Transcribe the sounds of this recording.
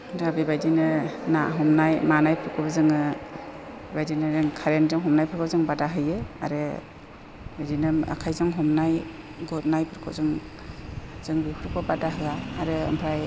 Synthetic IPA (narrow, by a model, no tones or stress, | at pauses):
dabibajdinɯnaɦɔmnajmanajpʰɯɾkʰɯbazɯŋɯ | bajdinɯɾɯŋkʰaɾenzɯŋɦɔmnajpʰɯɾkʰɔbzɯŋbadaɦɯjea̰ɾɯ | bajdinɯa̰kʰajzɯŋɦɔmnaj | ɡɔt̚najpʰɯɾkʰɔ̰zɯŋ | z̥ɯŋbipʰɯɾkʰɔbadaɦɯɡaːɾɯɯ̰mpʰɾaj